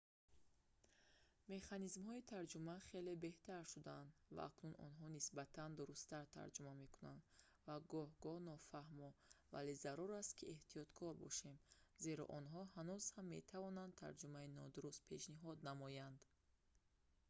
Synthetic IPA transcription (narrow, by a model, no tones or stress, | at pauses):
me̞χanizmhɔit̪ʰaɾd͡ʒumaχe̞le̞be̞ht̪ʰaɾʃud̪aand̪va̰a̰knunʔɔ̰nɦɔnisbat̪ʰand̪uɾust̪aɾt̪ʰa̰ɾd͡ʒumame̞kunand̪ | vaɡɔhɡɔnɔfahmɔva̰le̞zaɾuɾast̪kʰieht̪ijɔt̪kʰɔɾbɔ̰ʃe̞mze̞ɾɔ̰ʔɔnɦɔhanuz̥hamːe̞t̪ʰavɔnand̪t̪ʰa̰ɾd͡ʒumainɔd̪uɾust̪̚pʰe̞ʃniɦɔd̪namɔjand̪